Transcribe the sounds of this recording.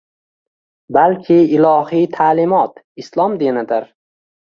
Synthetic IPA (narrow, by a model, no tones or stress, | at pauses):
balkʲʰɪːlˠɒhijt̪ʰalɪmɒt̪ | ɪslˠɒmd̪enɪd̪ɪɾ